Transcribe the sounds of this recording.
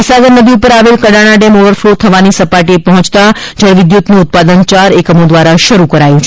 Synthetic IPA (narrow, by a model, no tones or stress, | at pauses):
isaɡəɾnəd̪ʱiupəɾaʋelkəɽaɽ̃aɖɛmoʋəɾflot̪ʰəʋanisəpaʈiepəɦɔ̃t͡ʃt̪ad͡ʒaɾʋɪd̪jut̪nuʊt̪̚pad̪ənt͡ʃaɾekəmod̪ʋaɾaʃəɾukəɾajũt͡ʃʰ